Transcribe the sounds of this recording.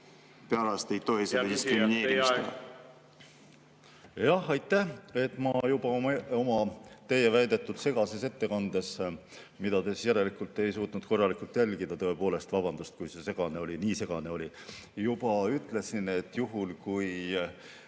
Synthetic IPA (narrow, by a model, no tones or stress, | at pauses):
peɑlɑst̪ejt̪o̞ɦiseed̪iskɾiineːɾi | jɑhɑjt̪ːˑæhe̞t̪ːˑmɑjub̥ɑo̞mɑt̪e̞jːe̞væjd̪̥e̞t̪ːˑud̪̥se̞ɡ̥ɑse̞se̞t̪ːe̞kɑnd̪̥e̞smid̪ɑt̪esisjæɾe̞likˑult̪ːˑe̞jsuːt̪nud̪̥ko̞rːɑlikult̪jælʲɡ̥id̪̥ɑt̪ɤ̞e̞po̞ːle̞st̪vɑb̥ɑnd̪ust̪̚kujse̞se̞ɡ̥ɑne̞o̞lʲiniːse̞ɡ̥ɑne̞o̞lʲijub̥ɑyt̪ːˑle̞sine̞t̪ːjuɦulkuj